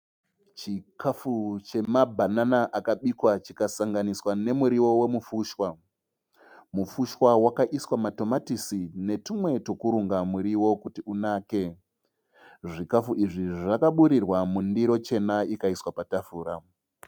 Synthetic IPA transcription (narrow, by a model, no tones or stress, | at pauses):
t͡ʃikafut͡ʃe̞mabʱananaʔakaɓikwat͡ʃikasaŋɡaniswane̞muɾiwo̞we̞mufuːʃwa | mufuʃwawakaʔiswamato̞matisine̞timwe̞tokuɾuŋɡamuɾiwo̞kutiunaːke̞ | ʐikafuʔiʐiʐakaɓuɾirwamundiɾo̞t͡ʃe̞naikaiswapatafuːɾa